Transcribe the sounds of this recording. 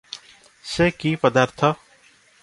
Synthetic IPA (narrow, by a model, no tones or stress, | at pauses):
sekipʌd̪aɾt̪ʰʌ